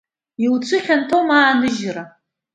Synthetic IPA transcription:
iwt͡ɕʷʰɨχʲɐntʰowmaːnɨʒra

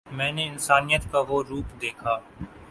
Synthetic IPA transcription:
mɛ̃ːneɪnsaːnijət̪kaʋoɾuːpd̪eːkʰaː

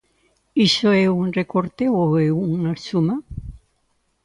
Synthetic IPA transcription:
isoeunrekoɾt̪eoeunasuma

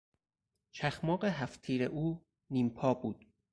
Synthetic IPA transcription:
t͡ʃʰæxmɒːɢeɦæft̪ʰiːɾeʔuː | niːmpʰɒːbuːd̪̥

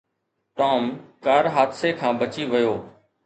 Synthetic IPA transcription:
ʈoːmkaːɾɦaːd̪seːkʰãːbət͡ʃiːʋəjoː

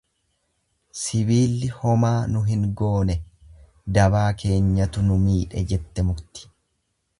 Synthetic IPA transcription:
sɪβiːlːɪhɔmaːnʊɦɪŋɡo̞ːnɛ | d̪ɐβaːkʰe̞ːɲːɐt̪ʊnʊmiːᶑɛ̰d͡ʒɛt̪ːɛmʊɾt̪ɪ̥

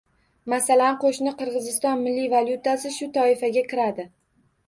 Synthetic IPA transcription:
masalanqʰoʃnɪqʰɨɾʁɨzɪst̪ɒnmɪlːivalˠjʊt̪asɪʃʊt̪ʰɒɪfaɡʲakʲɪɾad̪ɪ

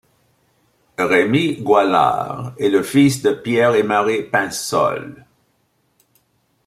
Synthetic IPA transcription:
ʁemiɡwala̰ʁɛləfisd̪əpjɛʁɛmaʁepɛ̃sɔ̰l

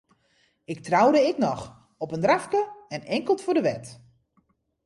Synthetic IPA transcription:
ɪk̚trawdəɪknɔx | ɔpəndrafkəɛnɛŋkəlˠtfodəʋɛt

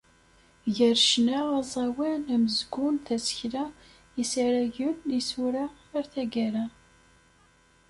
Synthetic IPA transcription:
ʝəɾʃnæɑzˤɑwænæməzɡʊnθæsə̥çlæ | isaɾæʝənːisuɾa | əɾθæɡæɾæ

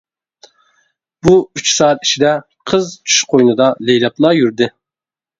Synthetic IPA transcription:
b̥uyt͡ʃsɑːɛt̪i̥ʃʰid̪ɛ | qʰəzt͡ʃʰy̥ʃqʰojnɨd̪ɑlejlˠɑplˠɑjyɾd̪ɪ

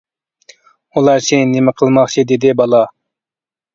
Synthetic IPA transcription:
ulˠɑɾt͡ʃʰɪnɪmɪqʰəlˠmɑχt͡ʃʰid̪ed̪ɪbɑlˠɑ

